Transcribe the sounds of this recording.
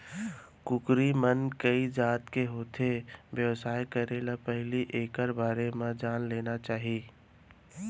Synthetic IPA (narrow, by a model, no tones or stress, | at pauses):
kʊkɾimənkəid͡ʒaːt̪keɦoːt̪ʰeʋjəʋsaːjkəɾelapɛɦliʔeːkəɾbaːɾemãd͡ʒaːnleːnat͡ʃaːɦiː